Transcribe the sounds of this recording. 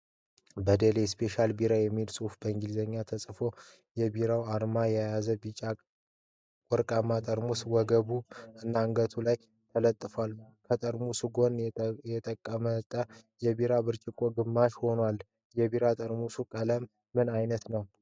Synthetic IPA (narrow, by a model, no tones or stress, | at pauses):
bəd̪elespʰe̞ʃalbiɾajɛmːiilsʼufbəɨŋɡilzəɲːat̪ʰəsʼfo̞ | jɛbiɾawaɾmajɛajazəbit͡ʃʼa | kʼɔɾkʼamːat̪ʼəɾmuswɔɡəβuɨnːaŋɡət̪ʰulaj | t̪ʰələt̪ʼːɨfwalkʰət̪ʼəɾmusuɡo̞njɛt̪ʼəkʼːəmət̪ʼə | jɛbiɾabɨɾt͡ʃʼɪkʼo̞ɡɨmːaʃho̞nwal | jɛbiɾat̪ʼəɾmusukʼələmː | ɨnajnət̪nəw